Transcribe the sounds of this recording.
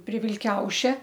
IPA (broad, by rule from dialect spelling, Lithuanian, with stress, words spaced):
pʲrʲɪ ʋʲɪlʲˈkʲɛʊʃʲɛ